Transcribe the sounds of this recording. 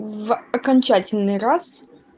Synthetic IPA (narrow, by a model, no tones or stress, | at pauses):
vɐkɐnʲt͡ɕatʲɪlʲnɨjɾas